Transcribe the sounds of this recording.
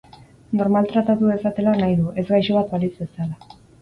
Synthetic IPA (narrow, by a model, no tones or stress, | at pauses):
no̞ɾmalt̪ɾat̪at̪ue̞sat̪e̞lanajðuʔe̞zɡajʃoβat̪balit͡sbe̞sala